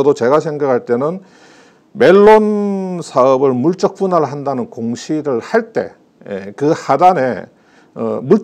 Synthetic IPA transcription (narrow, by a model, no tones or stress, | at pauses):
ʌdot͡ɕe̞ɡasʰe̞ŋɡakʰaɭt͈e̞nɯn | me̞ɭːonsʰaʌbɯɭmuɭt͡ɕ͈ʌk̚p͈unaɾɦandanɯnkoŋɕʰiɾɯɭhaɭt͈e̞̰ | jḛkɯhadane̞ | muɭ